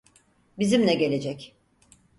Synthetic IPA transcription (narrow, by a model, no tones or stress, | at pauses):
bizimlʲɛɟe̞lʲe̞d͡ʒɛc